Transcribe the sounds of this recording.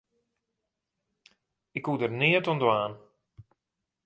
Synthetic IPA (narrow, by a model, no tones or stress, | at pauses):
ɪkudərnɪətɔndəaːn